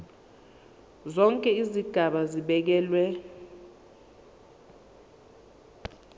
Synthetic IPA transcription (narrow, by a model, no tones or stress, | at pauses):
zɔŋkʼɛiziɡ̥ʱaɓaziɓɛk̬ɛːlwɛ